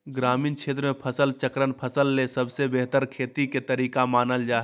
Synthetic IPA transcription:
ɡɾaːmiːnt͡ʃʰeːt̪ɾəmepʰəsəlt͡ʃəkɾənpʰəsəlːesəbʱsebeɦt̪əɾkʰeːt̪iket̪əɾiːkamaːnəld͡ʒaːɦ

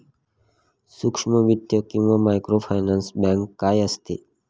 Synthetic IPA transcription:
sukʂməʋid̪jokumãmajkɾopʰajnãnsbãŋkːajəst̪ʰḭ

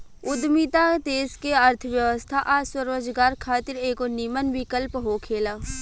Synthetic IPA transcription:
ʊd̪miːt̪ad̪eːzkeəɾt̪ʰəʋjəʋəst̪ʰaʔaːswəɾoːd͡ʒɡaːɾkʰaːt̪ɪɾeːkonimənʋɪkəlpɦoːkʰeːlaː

